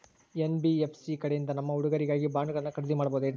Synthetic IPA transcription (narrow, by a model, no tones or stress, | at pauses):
enbiepʰsikɐɽejind̪ɐnɐmːɐuɽuɡɐɾiɡaːɡibaːŋɡɐɣɐɭɐnːɐkɐɽɐd̪imaːɽɐboːd̪u